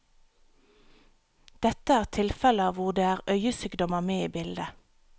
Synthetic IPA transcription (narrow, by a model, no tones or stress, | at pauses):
d̪̥ɛt̪əæːʁt̪ʰɪlfɛləɑːʋʊʁd̪eːæːʁœʏəsyːɡd̪ɔməmeːiːbɪld̪ə